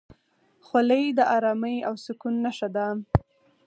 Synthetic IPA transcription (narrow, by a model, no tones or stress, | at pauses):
xwaləjd̪əʔɑɾɑməjawsʊkunːaʃad̪am